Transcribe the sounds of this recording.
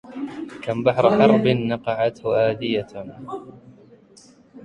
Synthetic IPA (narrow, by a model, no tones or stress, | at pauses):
kambaħɾˤħɑɾˤbɪnːɑqɑʕat̪hʊʔaːd̪ɪja